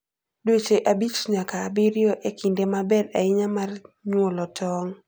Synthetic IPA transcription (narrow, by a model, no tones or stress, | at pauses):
dwet͡ʃeʔabit͡ʃɲakaːbiɾjɔʔekʰindemabɛda̰ɪɲamarɲwolɔtʰɔŋ